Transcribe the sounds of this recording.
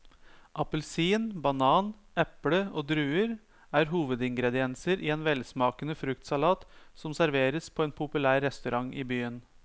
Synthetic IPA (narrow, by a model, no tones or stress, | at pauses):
ʔɑpəlsiːnbɑnɑːn | ɛpɽəoːd̪ɾʉːəɾ | æːɾɦuːʋəd̪ɪŋɡɾɛd̪ɪɛnsəɾʔiːeːnʋɛlsmɑːkənəfɾʉk̚t̪sɑlɑːt̪sɔmsæɾʋeːɾəspʰɔːeːnpʰʊpʉlæːɾːɛst̪ʉɾʔɑŋʔiːbyːən